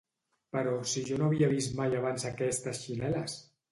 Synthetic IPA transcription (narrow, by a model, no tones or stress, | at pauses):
pəɾɔsiʒɔnoaβiəβist̪majaβ̞anzakɛst̪əsʃinɛləs